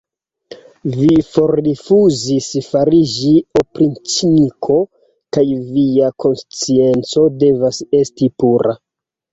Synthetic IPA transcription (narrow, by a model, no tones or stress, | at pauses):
vifo̞ɾdifuzisfaɾid͡ʒiopɾint͡ʃinikʰo̞ | kajviako̞nst͡sie̞nt͡so̞de̞vase̞stipuɾa̰